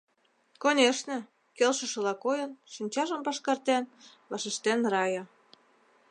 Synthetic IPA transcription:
konʲeʃnĕ | kelʃə̆ʃə̆lɑkojə̆nʃinʲt͡ɕɑʒə̆mpɑʃkɑrt̪en | βɑʃeʃt̪enrɑjɤ

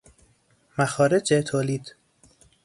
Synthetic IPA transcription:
mæxɒːɾed͡ʒet̪ʰoːliːd̪

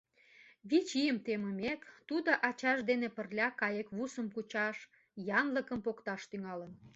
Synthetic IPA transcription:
βit͡ɕijəmt̪eməmekt̪ud̪oʔɑt͡ɕɑʃd̪enepə̆rlʲɑkɑjekβusəmkut͡ɕɑʃ | jɑnləkəmpokt̪ɑʃt̪yŋɑlən

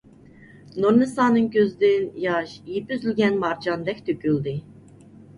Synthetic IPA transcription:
noɾmɨsɑːnɨŋkʲʰøzɪd̪ɪnjɑʃijipyzylɡʲɛnmɑɾd͡ʒɑnd̪ɛkʲt̪ʰøkʲyld̪ɪ

